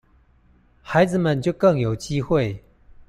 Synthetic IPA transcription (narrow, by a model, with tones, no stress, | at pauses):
xa˧˦ɪd͡zɹ̩˨mə˥˨nt͡ɕjo˥˧ʊkɤ˥˨ŋjo˨˩ʊt͡ɕi˦xwe˥˨ɪ